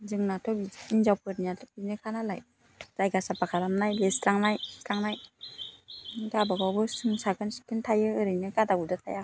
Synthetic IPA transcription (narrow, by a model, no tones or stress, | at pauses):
zɯŋnatʰɔbiinzawpʰɯɾniatʰɔp̚inɯkʰanalaj | ɾajɡasapakʰaɾamnajlestɾaŋnajɾaŋnaj | ɡabaɡawbɯsɯŋsaɡɯnsi̥kɯntʰajɯɯɾɯjnɯɡadaɡudɯtʰa̰ja